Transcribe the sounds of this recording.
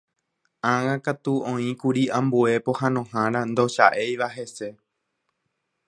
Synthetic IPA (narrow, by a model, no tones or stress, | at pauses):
ãŋãkat̪uõĩkuɾiãmbue̞pohãnõhãɾãnd̪o̞ʃa̰ʔejʋaɦe̞se̞